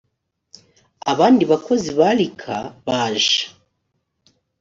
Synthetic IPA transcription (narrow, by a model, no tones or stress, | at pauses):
aβaːndiβako̞ziβalikʰaβaːʒḁ